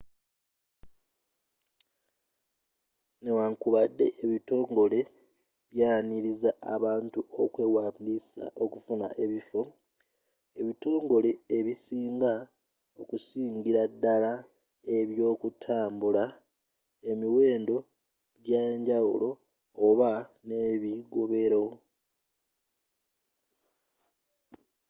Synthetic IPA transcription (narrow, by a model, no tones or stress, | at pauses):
newaŋkuβadːe̞̰ʔeβito̞ːŋɡo̞le̞ | βjaːniɾizaːβaːntuʔo̞kwe̞ːwaːmbisa̰ʔo̞kufuna̰ʔe̞βifo̞ | e̞βito̞ːŋɡo̞le̞eβisiːŋɡa | o̞kusiːŋɟiɾadːala | e̞βjo̞ːkutʰaːmbula | e̞miwe̞ːndo̞ | ɟeːɲɟawṵlo̞ː | βane̞βiɡo̞βe̞ɾoo